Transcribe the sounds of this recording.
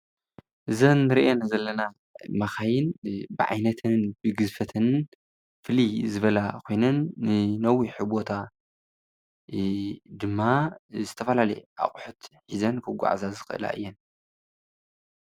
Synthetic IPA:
ʔɨzɐnːɨɾiʔenazɐlːɐna | mɐxajɪnbɨʕa̰jnɐt̪ʰɨnbɨɡɨzfɐt̪ʰɨn | fɨlizɨβɐlakʰo̞jnɐnːɨnɐwiħɨbot̪ʰa | d̪ɨmːazɨt̪ʰɐfɐlalɐjʔa̰χʼħut̪ħizɐnkʰɐɡʷa̰ʕzazɨxɨʔɨ̰la̰ʔɨ̰jːɛn

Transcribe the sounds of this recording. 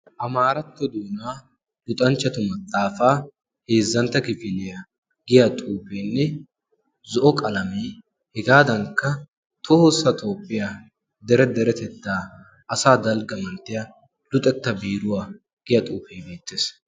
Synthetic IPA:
ʔɐmaːɾɐt̪ːɔd̪uːnaː | lʊt̪ʼɐnt͡ʃːɐt̪ʊmɐt̪ʼːaːfaː | he̞ːzːɐnt̪ːɐkɪfɪlɛjɐ | ɡɪjɐt̪ʼuːpeːnːɛ | zɔʔɔkʼɐlɐmeː | hɛɡaːd̪ɐŋkɐ | t̪ʰɔhɔsɐt̪ʰo̞ːpʼːɪja | d̪ɛɾɛd̪ɛɾɛt̪ɛt̪ːaː | ʔɐsaːd̪ɐlɡɐmɐnt̪ːɪjɐ | lʊt̪ʼɛt̪ːɐbiːɾʊwɐ | ɡ̥ɪjɐt̪ʼuːfeːbe̞ːt̪ːes

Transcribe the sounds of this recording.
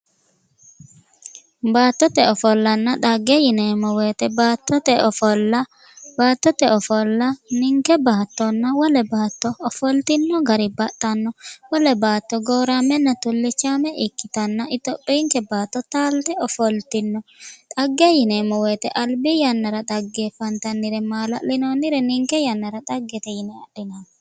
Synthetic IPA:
baːt̪ːɔt̪ɛɔfɔlːɐnːɐᶑ̪ɐɡːɛjɪneːmɔweːt̪ɛbaːt̪ːɔt̪ɛɔfɔlɐ | baːt̪ːɔt̪ɛɔfɔlːɐnɪŋkɛbaːt̪ːɔnːɐwɔlɛbaːt̪ːɔːfɔlt̪ɪnːɔɡɐɾɪbɐt̪ʼːɐnːɔwɔlɛbaːt̪ːɔɡoːɾamɛnːɐt̪ɔlːɪt͡ʃːaːmɛʔɪkːɪt̪ɐnːɐʔɪt̪ːɔpʼːiːŋkɛbaːt̪ːɔt̪aːlt̪ɛɔfɔlt̪ɪnːɔt̪ʼɐɡːɛjɪnɛmɔwet̪ɛʔɐlbɪjɐnːɐɾɐt̪ʼɐɡːeːfɐnt̪ɐnːɪɾɛmaːlɐlɪnonːɪɾɛnɪŋkɛjɐnːɐɾɐt̪ʼɐɡːɛt̪ɛjɪnɛɐɗɪnan

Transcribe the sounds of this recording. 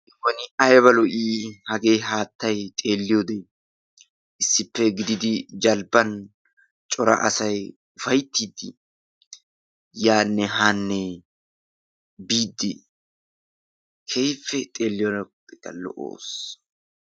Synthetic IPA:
kːɔnɪʔɐjβɐlɔʔiːhɐɡe̞ːɦaːt̪ːɐjt̪ʼe̞ːlːɪjod̪e | ʔɪsːɪpːɛɡɪd̪ɪd̪ɪd͡ʒɐlbɐn | t͡ʃʼɔɾɐ̰ʔɐ̰sɐj | ʊfɐjt̪ːiːd̪ːɪ | jaːnːɛɦaːnːɛ | biːd̪ːɪ | kʰejfːɛt̪ʼe̞ːlːɪjɔnɐpʼːɪt̪ɐ̰lɔ̰ʔo̰ːs

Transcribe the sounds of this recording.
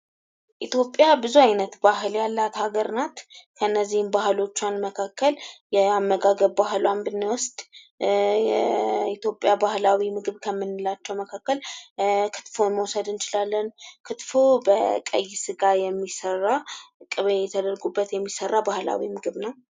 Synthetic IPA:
ʔit̪ʰjo̞pʼːjabɨzuajnət̪baɦɨljalːat̪haɡəɾnat̪kʰəɨnːəzːihmbaɦɨlo̞t͡ʃːanməkʰakːəljɛamːəɡaɡəβbaɦluand̪ɨnːawʊst̪ʼ | jɛit̪ʰjo̞pʼːjabahlawimɨɡɨβkʰəmːɨnːɨlat͡ʃːɛwməkʰakːəlkʰɨ̥t̪foməwsəd̪ɨnt͡ʃɪlalːənkʰɨt̪fubəkʼə̰jːɪsɨɡajɛmːisərːakʼɨβəjɛt̪ʰəd̪əɾɡubːət̪jɛmːisərːabahla̰wimɨɡɨβnəw

